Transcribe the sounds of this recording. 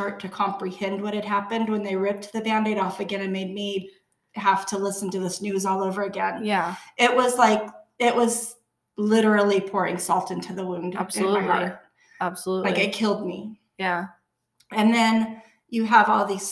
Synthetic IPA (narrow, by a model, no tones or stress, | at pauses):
ɑɹtʰɨkʰɑ̃mpɹihɛ̃nd̚wʌɾɨt̚ɦæpɨ̃nd̚wə̃nðeɪɹɪp̚t̪̚ðɨbæ̃ndeɪɾɔfɨɡɛ̃ñɨt̚meɪd̚mi | ɦæftʰəlɪsn̩tɨðɪsnʉzɔlˠoʊvə˞ɨɡɛ̃njæɪʔ̚wʌzlaɪkɪʔwʌz | lɪɾə˞l̩ˠipʰʊɹɪ̰̃ŋsɔlˠtɪ̃ntʰʉðəwũndbɨ̃naɪhɑ̰ɹt̚ | æb̥səluaɪkɨt̚kʰɪlˠd̚mi | jæ | ɨ̃nðɨ̃n | jɨəvɔlˠðiz̥